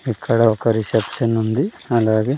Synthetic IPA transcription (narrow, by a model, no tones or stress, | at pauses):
ikʰːɐɽɐʋkɐɾisɐpsɐnːund̪iɐlːaːɡe